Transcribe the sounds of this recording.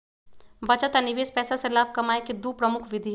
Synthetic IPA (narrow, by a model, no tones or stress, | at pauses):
bɐt͡ʃət̪anɪʋeːspɛːsaselaːb̚kɐmaːekid̪uːpɾɐmʊkʰʋɪd̪ʱi